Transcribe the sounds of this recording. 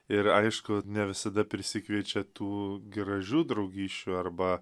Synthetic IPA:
ɪɾɐɪʃkʊnʲɛʋʲɪsɐd̪ɐpʲɾʲɪsʲɪkʋʲiɛt͡ʃʲɛt̪uːɡʲɪɾɐʒʲuːd̪ɾɐʊɡʲiːʃʲt͡ʃʲuːɐrbɐ

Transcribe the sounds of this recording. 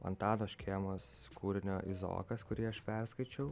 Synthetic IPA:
ɐ̰nt̪ɑːd̪oːʃʲkʲeːmoːs | kuːɾʲɪnʲoːʔɪzo̰ːkɐskʊɾʲiːɐʃpʲɛɾskɐɪt͡ʃʲɛʊ

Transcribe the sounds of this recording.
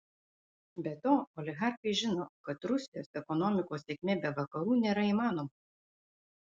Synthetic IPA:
bʲɛt̪oːɔlʲɪɣɑɾxɐɪʒʲɪnoːkɐt̪ɾʊsʲɪjoːsɛkɔnɔmʲɪkoːsʲekʲmʲeːbʲɛʋɐkɐɾuːnʲeːɾɐiːmɑːnoːmɐ

